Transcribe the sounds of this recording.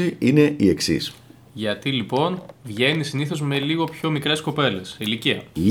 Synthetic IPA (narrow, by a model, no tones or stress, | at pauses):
iine̞ʔie̞ksḭs | ʝɐt̪ilipo̞nvʝe̞nisiniθo̞zme̞liɣo̞pço̞mikɾe̞sko̞pe̞le̞siliciɐ̰l